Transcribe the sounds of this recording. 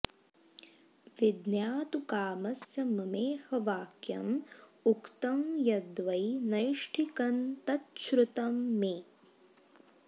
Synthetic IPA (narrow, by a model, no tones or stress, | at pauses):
ʋid̪njaːt̪ukaːmɐsjɐmɐmeːhɐʋaːkjɐ̰mukt̪ɐmjɐd̪ʋɐjnɐjʂʈʰikɐnt̪ɐt̪ʃɾut̪ɐmːeː